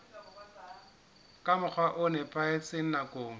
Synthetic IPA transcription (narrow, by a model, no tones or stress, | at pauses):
kʼamʊk͡xʰwaʔʊnɛpʼaɪt͡sʼɪŋ̩nakʼoːŋ̩